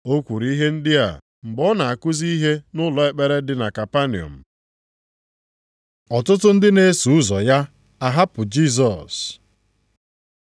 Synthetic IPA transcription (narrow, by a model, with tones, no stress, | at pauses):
o˦kʷu˨ɾi˦i˦ɦe˦n̩˦dɪ˦a̰˨ | m̩˨ɡ͡bɔ˦na˨a˨kʊ˦zi˦i˦ɦe˦nʊ˦lɔ˨e˨k͡pe˨ɾe˦dɪ˨na˨ka˨pa˦ni˨ɔ̰˨m̩˨ | ɔ˨tʊ˦tʊ˦n̩˦dɪ˦ne˦su˨ʊ˦zɔ˨ja˦ | a˨ɦa˦pʊ˨d͡ʒi˦˨z̬ɔ˨s